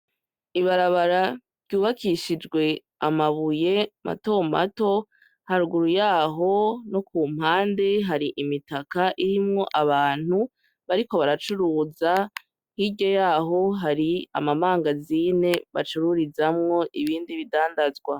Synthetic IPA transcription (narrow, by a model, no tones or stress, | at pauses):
iβaɾaβaɾa | ɾɟuːβakʰiʃid͡ʒɡwe̞ | amaβuje̞mʔa̰to̞ma̰to̞ | haɾuɡuɾujaːɦo̞no̞kuːm̥haːnde̞ɦaɾiʔimitakaʔiɾimŋo̞ʔaβaːn̥hu | βaɾiko̞βaɾat͡ʃuɾuːza | hiɟojaːɦo̞ɦaɾia̰mamaːŋɡaziːne̞βa̰t͡ʃuɾuɾizamŋo̞ʔiβiːndiβidaːndazɡwa